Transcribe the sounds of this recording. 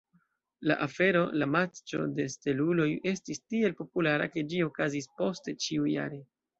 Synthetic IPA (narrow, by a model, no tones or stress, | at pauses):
la̰ʔafe̞ɾo̞lamat͡ʃo̞̰de̞ste̞lulo̞je̞stistie̞lpo̞pulaɾa̰ke̞d͡ʒio̞kazispo̞ste̞t͡ʃiuja̰ɾe̞